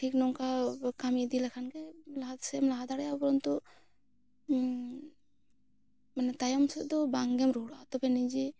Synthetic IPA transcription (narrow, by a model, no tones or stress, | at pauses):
ʈʰiknɔŋkakamid̪ilakʰankɛlaat̪sɛmlaɦad̪aɽɛjapɔɾɔnt̪ɔ | manɛt̪ajɔmsɛd̪ɔbaŋɡɛmɾuɽat̪ɔpʰɛnid͡ʒi